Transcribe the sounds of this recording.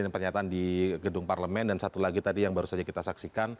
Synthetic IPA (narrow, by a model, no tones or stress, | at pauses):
npərɲat̪aʔandiɡədʊŋparləmɛndansat̪ulaɡit̪adijaŋbaɾusad͡ʒakit̪asaksikan